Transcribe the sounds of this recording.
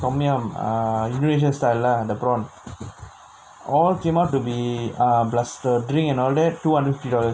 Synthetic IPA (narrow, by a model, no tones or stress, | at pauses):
kɔmiə̃ma̰junuɹeʃ̬ə̃nstajlːadəpɾɔ̃n | ɔlkẽmap̚tːubiablastədɹĩŋkɛ̃nɔldɛtːuhãndɾətfiftidɔləs